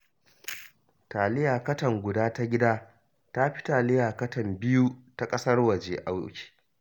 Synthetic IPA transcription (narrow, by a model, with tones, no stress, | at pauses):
taː˨lɪ˦jaː˨kɐ˦tɐ˨ŋɡʷʊ˨daː˦ta˦ɡʲɪ˦daː˦ | ta˦ɸɪ̥˦taː˨lɪ˦jaː˨kɐ˦tɐ˨mbɪ˦ju˦ta˦kʼɐ˦sɐ˦rwɐ˨d͡ʒeː˦ʔa˦wkʲi̥ː˨